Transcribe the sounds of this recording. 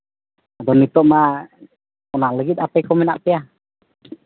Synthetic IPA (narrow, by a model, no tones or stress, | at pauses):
adɔnit̪ɔʔma | kɔnaləɡit̪̚apɛkɔminaʔpia